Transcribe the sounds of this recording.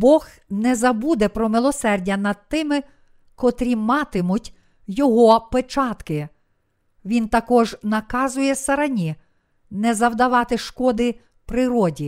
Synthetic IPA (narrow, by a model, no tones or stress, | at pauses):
bɔx | nɛzɐbud̪ɛpɾɔmɪlˠɔsɛrdʲɐnɐd̪̚t̪ɪmɪ | kɔt̪ɾʲimɑt̪ɪmʊtʲ | jɔɦɔpet͡ʃɑt̪kɪ | ʋʲint̪ɐkɔʒnɐkɑzʊjɛsɐɾɐnʲi | nɛzɐwd̪ɐʋɑt̪ɪʃkɔd̪ɪ | pɾɪɾɔdʲi